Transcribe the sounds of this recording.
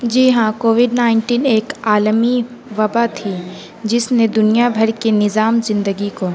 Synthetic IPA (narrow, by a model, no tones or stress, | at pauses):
d͡ʒiːɦãkoːʋɪɖnaːɪ̃ɳʈiːneːkaːlmiʋɐbat̪ʰi | d͡ʒɪsned̪ʊnijabʱɐɾkenɪzaːmzɪ̃nd̪əɡiko